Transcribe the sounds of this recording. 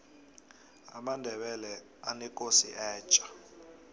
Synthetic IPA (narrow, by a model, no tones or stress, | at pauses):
a̰mandʱɛɓɛlɛ | anɛkʼosiʔɛːt͡ʃʼḁ